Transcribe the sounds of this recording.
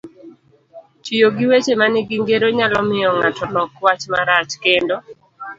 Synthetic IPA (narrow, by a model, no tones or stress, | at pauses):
t͡ʃijoɡɪwet͡ʃemanɪɡiŋɡeɾoɲalɔmɪɔŋatɔlɔkwat͡ʃmaɾat͡ʃkendo